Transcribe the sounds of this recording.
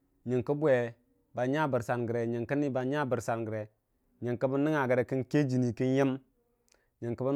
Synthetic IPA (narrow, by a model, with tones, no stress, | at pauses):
ɲi˨ŋkə˦bu˦e˨ | ba˨ɲa˦bə˨ɾsa˨nɡə˨ɾe˨ɲə˨ŋkə˦ni˦ba˨˦ɲa˦˨bə˨ɾsa˨nɡə˨ɾe˨ | ɲi˨ŋkə˦bə˦nːi˦ŋa˨ɡə˨ɾe˨ki˦nke˦d͡ʒi˨ni˨ki˦nji˦m | ɲə˨ŋkə˦bə˦